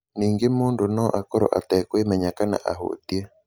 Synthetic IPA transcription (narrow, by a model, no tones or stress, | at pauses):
niːŋɡemoːndonɔʔakɔɾɔ̰ʔatɛkwemɛɲakana̰ʔaɦo̰t̪iɛ